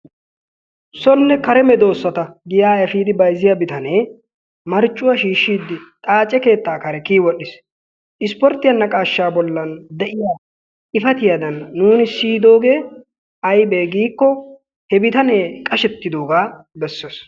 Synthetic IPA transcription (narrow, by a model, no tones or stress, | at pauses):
sɔlːɛkɐɾɛmɛd̪o̞ːsːɐt̪ɐɡɪjaːjɐfiːd̪ɪbɐjzɪjɐbɪt̪ɐneː | mɐɾt͡ʃʼːʊwɐʃiːʃːiːd̪ːɪt̪ʼaːt͡ʃʼːɛke̞ːt̪ːaːkɐɾɛkiːwɔɗɪs | ʔɪspɔɾt̪ːɪjɐnːɐkʼaːʃːaːbɔlːɐnd̪ɛʔɪjaː | ʔɪfɐt̪ɪjɐd̪ɐnːuːnɪsiːd̪o̞ːɡe̞ː | ɐjbeːɡiːkːɔ | hɛbɪt̪ɐneːkʼɐʃɛt̪ːɪd̪o̞ːɡaː | bɛsːes